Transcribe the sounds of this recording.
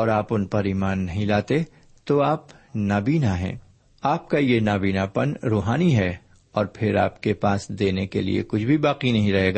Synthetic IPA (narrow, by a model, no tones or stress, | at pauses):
ɔːɾaːpʊnpɐɾiːmaːnːɐɦĩlaːt̪e | t̪oaːpnaːbiːnaɦɛ̰̃ː | aːp̚kajenaːbiːnapɐnɾoːɦaːniɦɛ | ɔːɾpʰɪɾa̰ːpkepaːsd̪eːnekelḭḛkʊt͡ʃʰbʱibaːqinɐɦĩɾɐɦeːɡaː